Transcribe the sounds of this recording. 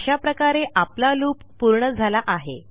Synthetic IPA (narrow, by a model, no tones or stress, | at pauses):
ɕapɾəkaɾeʔaplaluːpːuɾɳəd͡zʱalaʔaɦḛ